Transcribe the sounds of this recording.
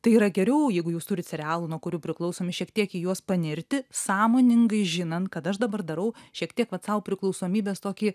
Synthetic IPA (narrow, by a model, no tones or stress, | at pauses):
t̪ɐɪiːɾɐɡʲɛɾʲɛʊjɛɪɡʊjuːst̪ʊɾʲɪt̪sʲɛɾʲɛaːlˠunuɔkʊɾʲuːpʲɾʲɪklˠɐʊsoːmʲɪʃʲiɛkt̪ʲiɛkiːjuɔspɐnʲɪɾʲt̪ʲɪsɑːmoːnʲɪŋɡɐɪʒʲɪnɐnt̪kɐt̪ɐʃd̪ɐbɐrd̪ɐɾɐʊʃʲiɛkt̪ʲiɛkʋɐt̪sɐʊpʲɾʲɪklˠɔʊsoːmʲiːbʲeːst̪oːkʲiː